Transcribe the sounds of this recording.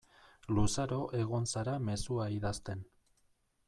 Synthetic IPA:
lusaɾo̞ʔe̞ɣ̞o̞nsaɾame̞suaiðast̪e̞n

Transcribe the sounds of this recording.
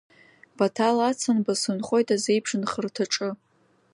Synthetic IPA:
b̥atʰalat͡sʰanbasɨnχʷo̞jtʼazejpʰʂɨnχərtʰaʈ͡ʂʼɨ

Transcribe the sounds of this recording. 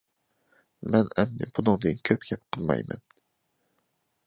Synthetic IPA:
mɛnɛmnɪ̰bunɨŋd̪ɨnkʲʰøp̚kʲʰɛp̚qʰəlˠmɑ̰jmɛ̰n

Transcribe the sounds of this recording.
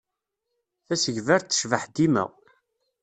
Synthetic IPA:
θæsəʝvæɾt̪ːə̥ʃvəħd̪imæ̰

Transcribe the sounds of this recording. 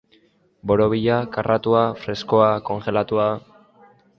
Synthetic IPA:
bo̞ɾoβiʎakarat̪uafɾe̞sko̞ako̞ŋʝe̞lat̪ua

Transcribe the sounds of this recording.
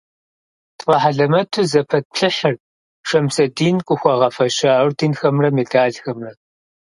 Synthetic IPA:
tʰʼfɐħaɮɐmɐtʰuzɐpʰɐt̚pʰɬɨħɨr | ʂɐmsɐdiːnkʷʼʊxʷɐʁɐfɐʃaːwrtʰinxɐmrɐmedaːɮxɐmrɐ

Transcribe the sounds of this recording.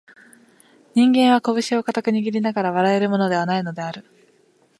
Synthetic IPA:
ɲ̟ĩŋɡẽ̞ɰ̃βako̞bɯ̟ɕio̞kat̪akɯ̟ɲ̟iɡʲiɾʲinaɡaɾaβ̞aɾae̞ɾɯ̟mo̞no̞d̪e̞β̞anaino̞d̪e̞aɾɯ̟

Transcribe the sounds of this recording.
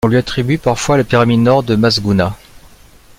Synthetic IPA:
ɔ̃lɥiat̪χibɥipaʁfwaləpiʁaminɔʁd̪əmazɡuna

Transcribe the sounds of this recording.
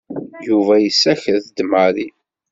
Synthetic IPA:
juvæjəsːæçəθd̪məɾi

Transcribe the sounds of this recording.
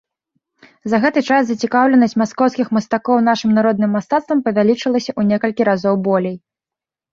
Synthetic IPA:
zɐɣɛt̪ɨt͡ʂaszɐt͡sʲikawlʲɛnɐsʲt͡sʲmaskɔwskʲixmɐst̪akɔwnaʂɨmnaɾɔd̪nɨmːast̪at̪st̪vɐmpɐvʲalʲit͡ʂɨlˠɐsʲɐʔunʲɛkɐlʲkʲiɾazɔwbɔlʲej

